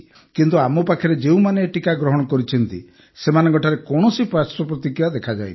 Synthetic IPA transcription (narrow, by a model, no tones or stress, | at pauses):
kint̪uamɔpakʰɔɾed͡ʒeũmaneːʈikaɡɾɔɦɔɽ̃ɔkɔɾit͡ʃʰɔnt̪ḭ | semanɔŋkɔʈʰaɾekɔɽ̃ɔsipɾasɔpɾɔt̪ikiad̪ekʰad͡ʒa̰ji